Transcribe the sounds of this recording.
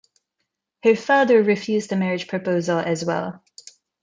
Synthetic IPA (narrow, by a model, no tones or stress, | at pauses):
həfɑðə˞ɹɪfjʉzðɨmɛɹɨd̥ʒ̥pʰɹ̥ɨpoʊzəl̩ˠɨzwɛ̰lˠ